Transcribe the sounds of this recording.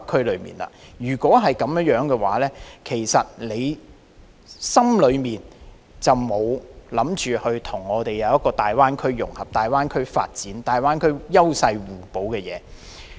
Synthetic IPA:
kʰɵ˥lɵ˨˧mḭː˨˩nlɐ̰ː˧jyː˨˩kʷɔː˨˥ɦɐ˨jkɐ˨˥mjjœː˨˥ŋkɛː˧wa̰ː˨˥lɛː˥kʰe˨˩jsɐ˨t̚le˨˧j | sɐ˥mlɵ˨˧ɥmiː˨˩n | t͡sɐ˨wmo˨˧wlɐ˨˥mt͡ʃyː˨hɵ˧ɥt̪ʰʊ˨˩ŋːɔː˨˧t̪e˨jɐ˨˧wjɐ˥kːɔː˧t̪aː˨jwaː˥nkʰɵ˥ɥjʊ̰˨˩ŋhɐ˨p̚t̪aː˨jwaː˥nkʰɵ˥ɥfa̰ː˧t̚t͡siː˨˥nt̪aː˨jwaː˥nkʰɵ˥ɥjɐ˥wsɐ˧jwuː˨˩po˨˧˥wkɛː˧jɛː˨˧

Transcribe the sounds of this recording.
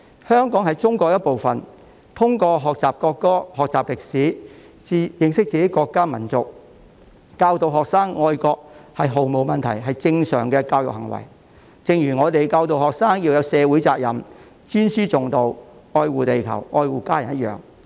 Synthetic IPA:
hœː˥ŋkɔː˨˥ŋɦɐ˨jt͡sʊ˥ŋkɔː˧k̚jɐ˥t̚po˨wfɐ˨n | t̪ʰʊ˥ŋkɔː˧ɦɔː˨k̚t͡saː˨p̚kɔː˧kːɔː˥hɔː˨k̚t͡saː˨p̚lɪ˨k̚siː˨˥ | t͡si˨˥jɪ˨˧ŋsɪ˥k̚t͡siː˨˧ke˨˥kɔː˧kːaː˥mɐ˨˩nt͡sʊ˨k̚ | kaː˧wt̪o˨wɦɔː˨k̚saː˥ŋːɔː˧jkɔː˧k̚hɐ˨jɦo˨wmo˨wmɐ˨nt̪ʰɐ̰˨˩jɦɐ˨jt͡sɪ˧ŋsœ̰ː˨˩ŋkɛː˧kaː˧wjʊ˨k̚hɐ˨˩ŋwɐ̰˨˩j | t͡sɪ˨˧ŋjyː˨˩ŋɔː˨˧t̪e˨jkaː˧wt̪o˨whɔː˨k̚saː˥ŋjiː˧wjɐ˨˧wsɛː˨˧wuː˨˥jt͡saː˧k̚jɐ˨˩m | t͡ʃyː˥nsyː˥t͡sʊ˨ŋt̪o˨w | ɔː˧jwuː˨t̪e˨jkʰɐ̰˨˩wɔː˧jwuː˨kaː˥jɐ˨˩njɐ˥t̚jœ̰ː˨ŋ

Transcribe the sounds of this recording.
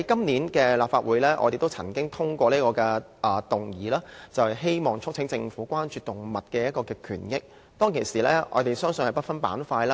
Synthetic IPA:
kɐ˥mniː˨˥nkɛː˧laː˨˩pfaː˧wuː˨˧jlɛː˥ʔɔ̰ː˧t̪e˨jt̪o˥wt͡sʰɐ˨˩ŋkɪ˥ŋt̪ʰʊ˥ŋkʷɔː˧liː˥kɔː˧kɛː˧ | ʔɐː˨˩t̪ʊ˨˩ŋjiː˨laː˥t͡sɐ˨whjɦe˥jmɔː˨˩ŋt͡ʃʰʊ˥k̚t͡sʰɪ˨˥ŋt͡sɪ˧ŋfuː˨˥kʷwaː˥nt͡ʃyː˨˧t̪ʊ˨˩ŋmɐ˨t̚kɛː˧jɐ˥t̚kɔː˧kɛː˧kʰy̰ː˨˩njɪ˥k̚ | t̪ɔː˥ŋkʰe˨˩siː˨˩lɛː˥ɔ̰ː˨˧t̪e˨˩jsœː˥ŋsɵ˨nhɐ˨jpɐ˥t̚fɐ˥npa̰ː˨˥nfaː˧jlaː˦

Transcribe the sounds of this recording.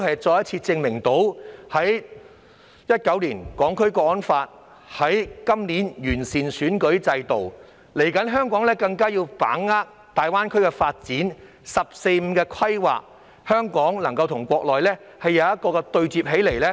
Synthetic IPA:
ɦɐ˨jt͡ʃɔː˧jɐ˥t̚t͡sʰiː˧t͡sɪ˧ŋmɪ˨˩ŋt̪o˨˥whɐ˨˥j | jɐ˥t̚kɐ˨˥wliː˨˩nkɔː˨˥ŋkʰɵ˥ɥkɔː˧˥ɔ˥nfaː˧t̚ | hɐ˨˥jkɐ˥mniː˨˥njyː˨˩nsiː˨nsyː˨˥nkɵ˨˥ɥt͡sɐ˧jt̪o˨w | le˨˩jkɐ˨˥nɦœː˥ŋkɔː˨˥ŋlɛː˥kɐ˧ŋkaː˥jiː˧wpa̰ː˨˥ŋːaː˥k̚ | t̪aː˨jwaː˥nkʰɵ˥ɥkɛ˧faː˧t̚t͡siː˨˥n | sɐ˨p̚se˧jm̩˨˥kɛː˧kʰɐ˥jwa̰ː˨k̚ | hœː˥ŋkɔː˨˥ŋlɐ˨˩ŋkɐ˧wt̪ʰʊ˨˩ŋkʷɔː˧k̚lɔː˨jlɛː˥ | hɐ˨jːɐ˨˧wjɐ˥t̚kɔː˧kɛ˧t̪ɵ˧ɥt͡siː˨p̚ɦe˨˥jle˨˩jlɛː˥

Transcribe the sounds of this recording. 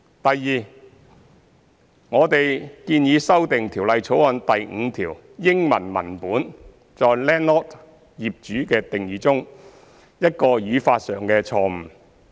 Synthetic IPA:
t̪ɐ˨jːiː˨ | ŋɔː˨˧t̪e˨jkiː˧njiː˨˧sɐ˥wt̪ɪ˨ŋt̪ʰi˨˩wlɐ˨jt͡sʰo˨˥whɐ˨nt̪ɐ˨jŋ̩ː˨˧t̪ʰiː˨˩w | jɪ˥ŋmɐ̰˨˩nmɐ̰˨˩npuː˨˥n | t͡sɔː˨˧jlɛː˥nɔː˥t | jiː˨p̚t͡ʃyː˨˥kɛː˧t̪ɪ˨ŋjiː˨˧t͡sʊ˥ŋ | jɐ˥t̚kɔː˧jyː˨˧faː˧t̚sœː˨ŋkɛː˧t͡sʰɔː˧m̩˨˩

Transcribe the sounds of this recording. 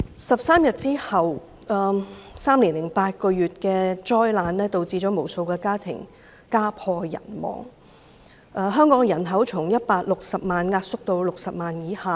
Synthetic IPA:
sɐ˨p̚saː˥mjɐ˨t̚t͡siː˥hɐ˨w | ɛː˨˧saː˥mliː˨˩nlɪ˨˩ŋpaː˧t̚kɔː˧ɥyː˨t̚kɛː˧t͡ʃɔː˥jlaː˨˧nlɛː˥t̪o˨˧wt͡siː˧t͡ʃɔː˨˥mo˨˩wso˧wkɛː˧kaː˥t̪ʰɪ̰˨˩ŋ | kaː˥pʰɔː˧jɐ̰˨˩nmɔ̰ː˨˩ŋ | ʔɛː˨˧ɦœː˥ŋkɔː˨˥ŋjɐ˨˩nɦɐ˨˥wt͡ʃʰʊ˨˩ŋjɐ˥t̚paː˧k̚lʊ˨k̚sɐ˨p̚maː˨nŋaː˧t̚sʊ˥k̚t̪o˧wlʊ˨k̚sɐ˨p̚maː˨njiː˨˧˥haː˨˧

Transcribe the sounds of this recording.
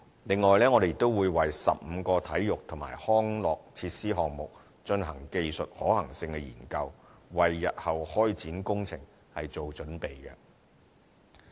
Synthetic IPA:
lɪ˨ŋːɔː˨jlɛː˥ŋɔː˨˧de˨˧jɪ˨k̚t̪o˥wuː˨˧jwɐ˨˩jsɐ̰˨p̚m̩ː˨˧kɔː˧t̪ʰɐ˨˥jːʊ˨k̚t̪ʰʊ˨˩ŋma̰ː˨˩jhɔː˥ŋlɔː˨k̚t͡sʰiː˧t̚siː˥ɦɔː˨ŋ̚mʊ˨k̚ | t͡ʃɵ˧nɦɐ˨˩ŋke˨˧jsɵ˨t̚hɔː˨˥hɐ˨˩ŋsɪ˧ŋkɛ˧jiː˨˩nkɐ˧wwɐ˨jːɐ̰˨t̚hɐ˨˩whɔː˥jt͡siː˨˥nkʊ˥ŋt͡sʰɪ̰˨˩ŋ | hɐ˨jt͡so˨wt͡ʃɵ˨˥npe˨jkɛ̰˧

